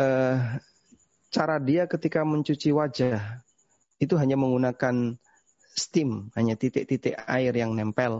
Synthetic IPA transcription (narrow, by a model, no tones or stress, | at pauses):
ʔə | t͡ʃaɾadiakət̪ikaməɲt͡ʃut͡ʃiwad͡ʒah | it̪̬uɦaɲaməŋɡunakan | st̪ɪmhaɲat̪it̪ɪʔt̪it̪ɪʔaɪrjaŋnɛmpɛl